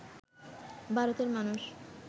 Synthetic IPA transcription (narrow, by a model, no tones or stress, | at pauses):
bʱaɾot̪eɾmanuʃ